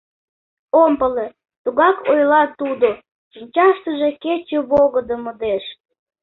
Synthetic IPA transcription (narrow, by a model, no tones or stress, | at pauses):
ompəle | t̪uɣɑkʰojlɑt̪ud̪o | ʃinʲt͡ɕɑʃt̪əʒeket͡ɕeβoɣəd̪əməd̪eʃ